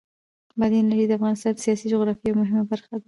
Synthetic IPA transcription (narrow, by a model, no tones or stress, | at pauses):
bɑd̪inaʐijd̪əafɣɑnɪst̪ɑnd̪əsijɑsid͡ʒʊɣɾɑfiawmʊɦɪmabaɾxad̪a